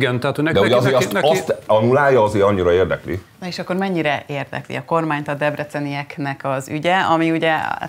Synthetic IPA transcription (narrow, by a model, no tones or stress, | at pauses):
ɡɛnt̪ɛɦat̪honɛkd̪ɛuɟɛɒzeːɾɒtɒst̪ɒnulaːjɒɒzeːɾɒɲːiɾɒeːrd̪ɛ̰klḭnoeːʃɒkːo̞rmɛɲːiɾɛʔeːrd̪ɛ̰klḭɒko̞rmaːɲt̪ɒd̪ɛbrɛt̪sɛnijɛknɛkɒzyɟɛɒmiuɟɛ